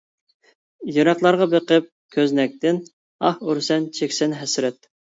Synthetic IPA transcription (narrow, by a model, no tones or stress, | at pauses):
joɾɑχlˠɑɾʁɑbeqəp̚kʲʰøznɛk̚ʲt̪ɪn | ɑhuɾsɛnt͡ʃʰekʲsɛnɦɛsɾɛt̪̚